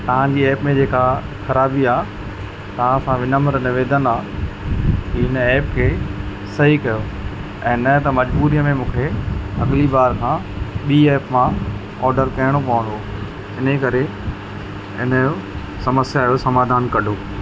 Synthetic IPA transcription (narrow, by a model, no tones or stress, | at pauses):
t̪ɐʋ̤ãd͡ʑiːɛːpmẽd͡ʑeːkaxɐɾaːbiaː | t̪ɐʋ̤ãɐsãʋɪnəməɾnɪʋeːd̪ənaː | t̪iɪnɛːpkʰeː | sɐɦikɐjoː | ɛ̃ːnɐt̪ɐmɐd͡ʑbuːɾijəmẽmũːkʰeɐ̰ɠlibaːɾkʰãːɓiːɛːpmã | ɔːɾɖəɾkɐɪɽ̃opɐʋə̃nd̪o | ɪnekɐɾe | ɪ̰nəjo | sɐməsjaːjosɐmaːd̪ʱaːnkɐɖʱoː